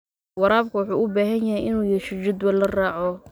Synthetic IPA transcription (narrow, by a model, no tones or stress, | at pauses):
wɑɾaːbkʰɐwɑħuːʔʊbaːɦɐnjɐɦɛjʔɪnuːjɛʃɪd͡ʒɪd̪wɛlːɐraːʕɔ